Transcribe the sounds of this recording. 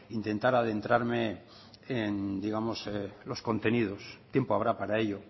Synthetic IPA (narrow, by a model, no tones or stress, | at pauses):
int̪e̞nt̪aɾað̞e̞nt̪ɾaɾme | end̪iɣamo̞slo̞sko̞nt̪e̞nið̞o̞st̪je̞mpoaβɾapaɾaeʎo̞